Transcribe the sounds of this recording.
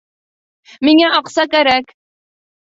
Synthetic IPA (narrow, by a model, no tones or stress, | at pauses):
miŋæʔɑqsɑkæɾæk